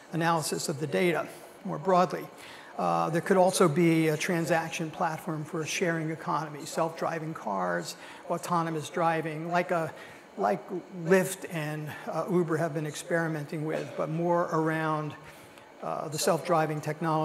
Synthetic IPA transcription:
ɨnælˠəsɨsʌvðɨdeɪɾɨ | mɔɹbɹɔdˡli | ðə˞kʰɨɾɔlˠsoʊbiɨtʰɹ̥æ̃nzækʃɨ̃npʰl̥ætfɔɹɱfə˞ɨʃɛɹɪ̃ŋɨkʰɑnəmisɛlˠfdɹa̰ɪvɪ̃ŋkʰɑɹdz̥ | ɔtʰɑnɨmɨsdɹaɪvɪ̃ŋlaɪkə | laɪklɪftɨ̃nubə˞ɨvbɨ̃nɨkspɛɹɨmɛ̃ntɪ̃ŋwɪ̰ðbʌt̚mɔɹə˞ãʊ̃n | ðəsɛlˠfd̥ɹaɪvɪ̃ŋtʰɛk̚nɑlˠə

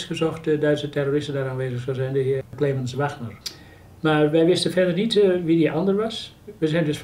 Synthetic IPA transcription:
sɡəsɔxtədœɥtsətɛroːrɪstəndaːɾaːnʋeːzəxsɔzɛjndəhɪəkleːmənsʋaxnər | maːrʋɛjʋɪstənfɛrdərnitʋidiʔɔndərʋas | ʋɛzɛjndøsf

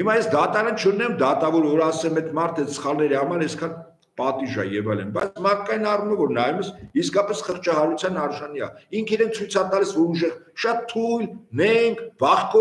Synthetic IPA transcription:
himɑjɛsd̪ɑt̪ɑɾɑnt͡ʃʰənɛmd̪ɑt̪ɑvɔɾvɔɾɑsɛmɛt̪mɑɾt̪ʰɛt̪sə̥χɑlnɛɾihɑmɑɾɛskʰɑn | pɑt̪iʒɑ̰jɛvɑjlɛnbɑjt͡sʰmɑkːɑjinɑruməvɔɾnɑjɛməsiskɑpɛsχəɾt͡ʃʰɑhɑɾut͡sʰjɑnɑɾʒɑniɑ̰iŋkʰiɾɛnt͡sʰujt͡sʰɑt̪ɑlisvɔɾuʒɛʁʃɑt̪ʰːujlnɛŋkʰbɑχkɔ

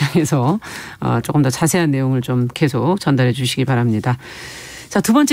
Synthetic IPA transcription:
aŋe̞sʰʌʌ̰t͡ɕ͈okɯmdʌt͡ɕasʰe̞ɦanːe̞joŋɯɭt͡ɕomke̞sʰok̚t͡ɕʌndaɾɦe̞d͡ʑuɕʰiɡipaɾamɲida | t͡ɕatubʌnt͡ɕ͈e

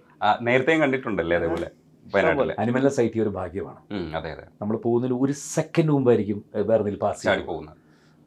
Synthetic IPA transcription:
ane̞ːɾɐt̪ːeŋkɐɳɖiʈːuɳɖɐlːeɐðeːpo̞ːle | pɐnɐailːɐ̰ɐnumɐllɐsɐjtːijo̞ɾubʱaːɡjɐma̰ːɳɨɐðḛːjɐðḛnɐmːɐɭepo̞ːɣunːɐiloɾusekːɐnɖuːmbaːiɾikʲːumʋeːrɐnːilpaːsaːipːoːɣunːɐð

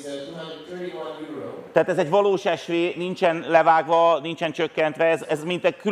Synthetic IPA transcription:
t̪ɛaːt̪ɛzɛɟʋɒloːʃɛʃʋeːnint͡ʃɛnlɛvaːɡvɒnint͡ʃɛnt͡ʃøkːɛnt̪ʋɛɛzɛzmint̪ɛky

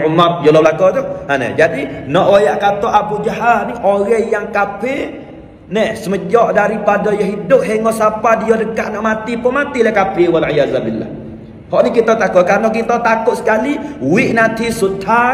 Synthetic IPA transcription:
umat̪̚jɔlɔblakɔt̪ʊhanɛ̰d͡ʒadinɔʔwajaʔkat̪ɔʔabud͡ʒaɦat̪̚niʔoɣɛhjaŋkapɪ | nɛhsəməd͡ʒɔʔdaɾipadɔjaɦidʊp̚ɦɛŋɔʔsapadijɔdəkaʔnɔʔmat̪ipʊŋmat̪ilahkapɪwalʕijazabilːa̰h | hɔʔnikit̪ɔt̪akʊʔ̪̚karnok̬it̪ɔt̪akʊt̪sə̥kaliwɪʔnat̪isut̪ʰa

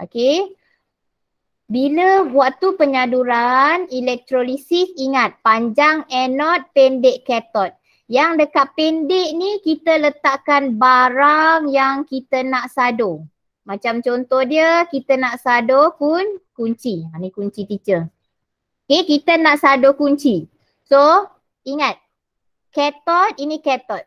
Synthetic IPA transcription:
ʔo̰ke | biləwaʔt̪upəɲaduɾanilɛk̚t̪ɾolisisiŋat̪̚paɲd͡ʒaŋɛnɔt̪̚pɛndeʔkɛt̪ɔt̪̚ | jaŋdəkaʔ̚pendeʔnikit̪ələt̪aʔkanbaɾaŋjaŋkit̪ənaʔsado | mat͡ʃamt͡ʃont̪ɔhdiəkit̪ənaʔsadokunkuɲt͡ʃimanikuɲt͡ʃit̪it͡ʃə | okekit̪ənaʔsadokuɲt͡ʃi | so | iŋat̪̚ | kɛt̪ɔt̪̚inikɛt̪ɔt̪̚

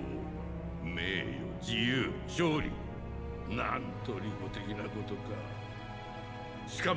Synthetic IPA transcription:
o | meːjod͡ʑijɯː | ɕoːɾʲḭ | nãnt̪o̞ɾʲikot̪e̞kʲinako̞t̪o̞ka̰ | ɕi̥ka

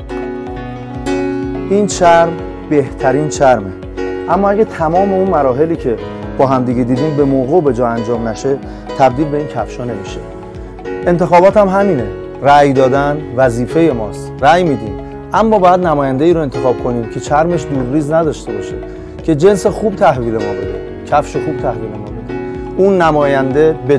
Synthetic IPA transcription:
ʔiːnt͡ʃʰæɾm | be̞ht̪ʰæɾiːnt͡ʃʰæɾme̞ | ʔæmːɒːæɟæt̪ʰæmɒːme̞unmæɾɒːɦe̞liːcʰe̞ | b̥ɒːɦæmd̪iːɟe̞d̪iːd̪iːmbe̞moːɣube̞d͡ʒɒːænd͡ʒɒːmnæʃe̞ | t̪ʰæb̚d̪iːlbeiːncʰæfʃɒːne̞miʃe | e̞nt̪ʰe̞xɒːbɒːt̪hæmɦæmiːne̞ | ræjd̪ɒːd̪ænvæziːfe̞je̞mɒːst̪ræjmiːd̪im | ʔæmːɒːbɒjæd̪næmɒːjænd̪e̞iːɾoent̪ʰe̞xɒːb̥kʰo̞niːmcʰe̞t͡ʃʰæɾme̞ʃd̪uːɾːiːznæd̪ɒːʃt̪e̞bɒːʃḛ | cʰe̞d͡ʒe̞nsexuːb̚t̪ʰæhviːle̞mɒ̰ːbḛd̪ḛ | cʰæfʃexuːb̥̚t̪ʰæhviːle̞mɒ̰ːbed̪e | unːæmɒːjænd̪e̞be

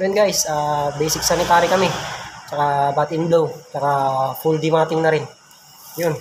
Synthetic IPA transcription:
ɛnɡajsaːbejsɪk̚sanɪt̪aːɾikɐmɛt͡ʃɐkabat̪ɪnblowt͡ʃɐkafuld̪imaːt̪ɪŋnɐɾɪn | jʊn

